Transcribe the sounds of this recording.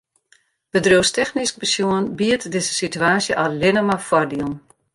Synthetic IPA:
b̥ədrowstɛxnisk̚bəsjuənbiətdɪzəsityaːsjəʔalɪnəmafwɔrdiəlˠn

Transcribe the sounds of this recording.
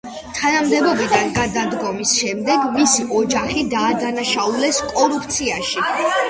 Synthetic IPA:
t̪ʰanamd̪ɛbɔbid̪anɡad̪ad̪ɡɔmisʃɛmd̪ɛɡmisiʔɔd͡ʒaχid̪aːd̪anaʃaulɛskʼɔɾupʰt̪sʰiaʃi

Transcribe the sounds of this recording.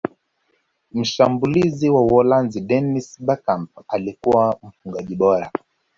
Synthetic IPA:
m̩ʃambuliziwawɔlanziɗɛnisɓakampalikuwam̩fuŋɡaʄiɓɔɾa

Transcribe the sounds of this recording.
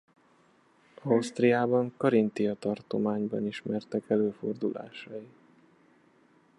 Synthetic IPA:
ɒɒwst̪rijaːbɒŋkɒɾint̪iɒt̪ɒrt̪o̞maːɲbɒ̰niʃmɛrt̪ɛkɛløːfo̞̰rd̪ula̰ːʃɒji

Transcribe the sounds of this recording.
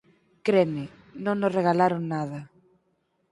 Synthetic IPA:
kɾeme | nõŋnoreɣalaɾoŋnaðɐ

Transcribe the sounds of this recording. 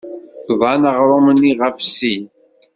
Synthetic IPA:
θðˤɑnəʁɾˤomənːiʁəfsin

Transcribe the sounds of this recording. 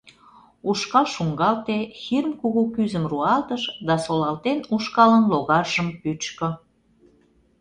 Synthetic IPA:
uʃkɑlʃuŋɡɑlt̪exirmkuɣukyzəmruɑlt̪əʃd̪ɑsolɑlt̪enuʃkɑlənloɣɑrʒəmpyt͡ɕkŏ

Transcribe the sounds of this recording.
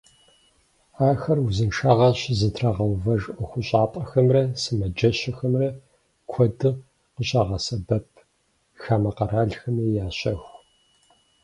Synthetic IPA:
aːxɐrwzɨnʂaːʁɐɕzɨtʰraʁɐwvɐʒʼʔɐxʷʊɕʼaːpʼɐxɐmrɐsɨmɐd͡ʒɐɕɐxɐmrɐ | kʷʰɔdɨ | qəɕʼaʁɐsɐbɐp̚ʰ | xaːmɐqɐɾaːɮxɐmijaːɕɐx

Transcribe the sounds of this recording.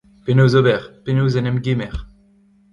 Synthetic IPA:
penozobɛʁpenozɛnɛmɡʲimɛʁ

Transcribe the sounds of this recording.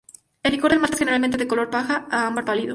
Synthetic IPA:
elikoɾelmast̪axeneɾalment̪e̞ðekolo̞ɾpaxaaambaɾpaliðo

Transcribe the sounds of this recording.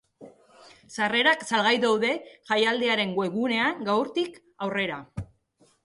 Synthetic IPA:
sare̞ɾaksalɣajðawðe̞ʝajald̪e̞aɾe̞ŋɡwe̞ɣune̞aŋɡawɾt̪ik | awre̞ɾa

